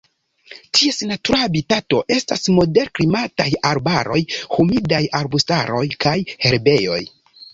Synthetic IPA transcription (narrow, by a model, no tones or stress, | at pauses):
tʰiesnatuɾaabitato̞ʔe̞stasmo̞de̞ɾkɾimatajaɾbaɾo̞̰jhumidajaɾbustaɾo̞jkʰajhe̞ɾbe̞jo̞̰j